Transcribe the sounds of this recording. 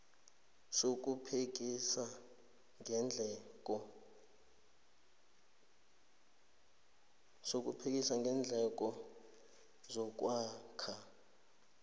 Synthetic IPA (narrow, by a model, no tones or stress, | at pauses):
sok̬ʼupʰek̬isa | ŋnd͡ɮʱɛɔ | sok̬ʼṵpʰek̬ʼisaŋɡʱɛnd͡ɮʱɛk̬ʼɔ | zɔk̬ʼwaːkʰa